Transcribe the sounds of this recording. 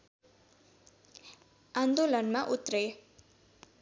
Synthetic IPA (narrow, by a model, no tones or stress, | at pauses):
and̪olʌnmaʔut̪rʌj